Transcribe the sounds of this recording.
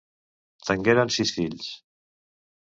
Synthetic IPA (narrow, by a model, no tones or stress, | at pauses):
t̪əŋɡeɾansisfiʎs